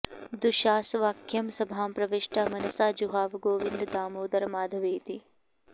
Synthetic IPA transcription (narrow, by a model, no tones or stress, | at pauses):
d̪uʃaːsʋaːkʰjɐmsɐbʱaːmpɾɐʋeʃʈʰamɐnɐsaːd͡ʒuɦaːʋɡoːʋɪnd̪d̪aːmoːd̪ɐɾmaːd̪ʱɐʋeːt̪i